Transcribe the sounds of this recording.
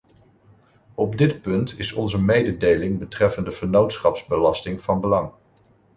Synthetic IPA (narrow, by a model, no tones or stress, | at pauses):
ɔbdɪtpɵntʰɪsɔnzəmejdədejlɪŋbətrɛfəndəvəɹnowtsχɑpzbəlɑstɪŋv̥ɑnbəlɑŋ